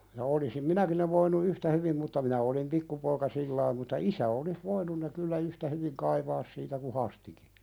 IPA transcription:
jɑ olisim minæki ne ʋoinu yhtæ hyʋim mutːɑ minæ olim pikːupoikɑ silːɑim mutːɑ isæ olis ʋoinun ne kylːæ yhtæ hyʋiŋ kɑiʋɑːs siːtæ ku hɑstiki

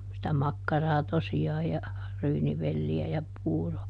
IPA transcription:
sitæ mɑkːɑrɑː tosiɑːj jɑ ryːniʋelːiæ jɑ puːro

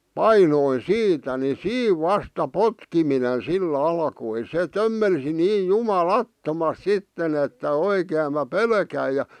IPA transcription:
pɑinoin siːtæ ni siːʋ ʋɑstɑ potkiminen silː ɑlkoi se tømːelsi niːj jumɑlɑtːomɑst̆ sitːen etːæ oikeːm mæ pelkæi jɑ

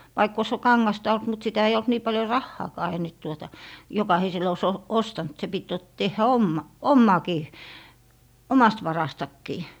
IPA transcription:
ʋɑikː oĭs kɑŋːɑstɑ olt mut sitæ ei olt niː pɑljo rɑhːɑːkɑː ei nyt tuotɑ jokɑhisel oĭs o ostɑnt se pit jot tehːæ omːɑ omːɑˑkiː omɑst ʋɑrɑstɑkːiː

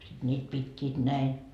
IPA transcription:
sit nʲiːt pitʲːiːt næi

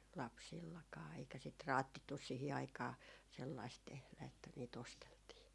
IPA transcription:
lɑpsilːɑkɑː eikæ sit rɑːtːitːus̆ sihi ɑikɑː selːɑist tehlæ etːæ niːt osteltiː

